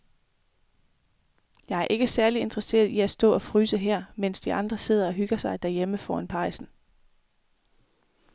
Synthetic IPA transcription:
jɑ̈ɪæɐʔe̝ɡ̥əsæɐlie̝nd̥ʁɐse̝̰ːɐð̩ˠiæsd̥ɔ̰̽ːɒ̽fʁyːsəɦɛɐ̰men̰sd̥iʔɑ̈nd̥ʁɐse̝ð̞̰ˠɐɒ̽ɦyɡ̥ɐsɑ̈ɪd̥æɐjeməfɒːænpʰɑ̈ɪsn̩

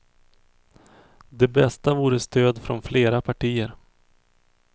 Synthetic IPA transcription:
d̪ɛbɛst̪avuːɾəst̪øːd̪fɾɔ̰nfleːɾapʰaʈʰiːəɾ

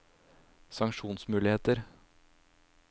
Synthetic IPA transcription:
sɑŋʃuːnsmʉːlɪheːt̪əɾ

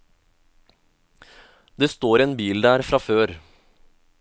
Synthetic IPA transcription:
d̪eːst̪oːɾeːnbiːld̪æːɾfɾɑføːɾ

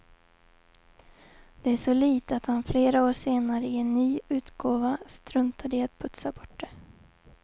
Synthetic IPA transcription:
d̪̥ɛæʂɔliːt̪at̪hanfleːɾaoːʂeːnaɾəɪɛnːyːʉ̟ːt̪ɡ̥oːvast̪ɾɵnt̪ʰad̪əɪat̪̚pʰɵt̪sabɔʈːɖɛ

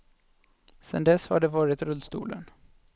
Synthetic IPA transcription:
sɛ̰nd̪ɛshaɖɛvɑːɾɪt̪ɾɵld̪st̪ṵːlə̰n

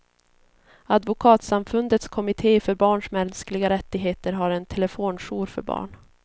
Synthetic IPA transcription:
ad̪vʊkʰɑːt̪samfɵnd̪ət̪skʰɔmɪt̪ʰeːfœɾbɑːɳʂmɛnsklɪɡaɾɛt̪ːɪɡɦeːt̪əɾɦaɾɛnt̪ʰɛlɛfoːnʂuːɾfœ̰ɾbɑ̰ːɳ

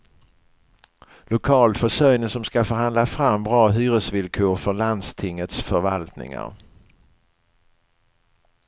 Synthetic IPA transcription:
lʊkʰɑːlfœʂœjnəsɔmskafœɾhand̪lafɾamːbɾɑːɦyːɾəsvɪlkʰoːɾfœɾɭand̪st̪ʰɪŋːət̪sfœɾvalt̪nɪ̰ŋa̰ɾ

